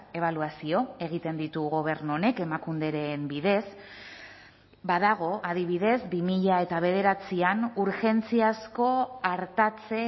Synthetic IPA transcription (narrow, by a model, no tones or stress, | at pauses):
e̞β̞aluasio̞e̞ɣ̞it̪e̞nd̪it̪uɣo̞β̞e̞ɾnuone̞ke̞makund̪e̞ɾe̞mbiðe̞s | baðaɣ̞o̞ʔaðiβ̞iðe̞zbimiʎae̞t̪aβ̞e̞ð̞e̞ɾat͡sianuɾxe̞nt͡siasko̞aɾt̪at͡se̞